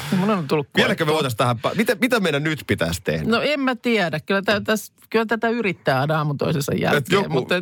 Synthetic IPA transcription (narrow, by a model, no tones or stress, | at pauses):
emunont̪ulːukkːielækømoit̪ɑst̪æhæppɑ̰mit̪æmit̪æmeˑinænyt̪pit̪æ̰st̪ḛhdænoemmæt̪iæɾækkylːˑæt̪æt̪æs | kylːˑæt̪æt̪æyrit̪ːæːɑnɑɑːmut̪o̰isesɑ̰jjæ̰et̪jo̰mut̪ːɑ